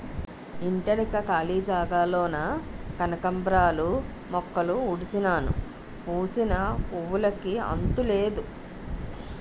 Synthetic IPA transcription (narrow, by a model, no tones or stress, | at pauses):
iɳʈɐnikɐkaːliːd͡ʒaːɡaːloːnɐkɐnɐkɐmbɾaːlu | mɔkːɐluuɽisinaːnṵ | puːsinɐpuʋulɐkiɐ̰nt̪ule̞ːd̪u